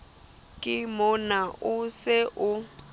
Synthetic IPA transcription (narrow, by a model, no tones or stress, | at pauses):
kʼɪmʊnaʔʊsɪʔʊ